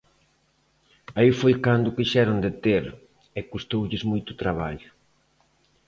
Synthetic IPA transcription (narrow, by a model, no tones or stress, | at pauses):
aifojkand̪ʊkiʃɛɾʊnd̪et̪eɾ | ɛkust̪owʎɪzmojt̪ʊ̥t̪ɾaβ̞aʎʊ